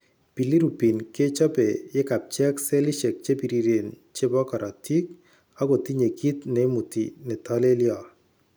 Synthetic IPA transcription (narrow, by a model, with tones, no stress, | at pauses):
pi˨li˦ɾu˨pi˨nke˦t͡ʃɔ˦pe˨jɪ˦ka˨p̚t͡ʃɛ˦kse˦lɪ˦ʃe˨k̚t͡ʃe˦pi˨ɾi˨ɾe˨n | t͡ʃe˦bɔ˦kɔ˨ɾʔa˨ti˦k | a˦ɡo˨ti˦ɲe˨ki˦t̪ne˨˦mu˨tḭ˨nɪ˨tɔ˦le˦ljɔ˨